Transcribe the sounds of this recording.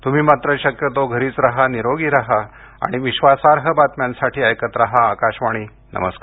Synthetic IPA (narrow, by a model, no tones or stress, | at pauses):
t̪um̤iːmat̪ɾəɕəkjət̪oɡʱəɾiːt͡sɾaɦaniɾoɡiːɾaɦa | a̰ɽ̃iʋiɕʋasaɾɦəbat̪mjãnsaʈʰiːəjkət̪ɾaɦaːkaɕʋaɽ̃iː | nə̰mə̰skaɾ